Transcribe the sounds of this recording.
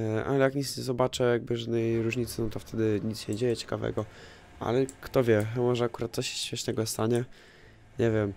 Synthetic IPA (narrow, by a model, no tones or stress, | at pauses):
ʔa̰lɛjakɲit̪sɲɛzɔbat͡ʂɛjaɡ̚bɘʐad̪nɛjɾuʐɲit̪sɨnɔt̪ɔft̪ʰɛd̪ɘɲit̪sɕɛɲd͡ʑejɛt͡ɕɛ̥kavɛ̰ɡɔ | a̰lɛkt̪ɔvʲjɛmɔʐɛakuɾat̪̚ːɔɕɛ̥ɕmʲɛʂnɛɡɔst̪aɲɛ | ɲɛvʲjɛm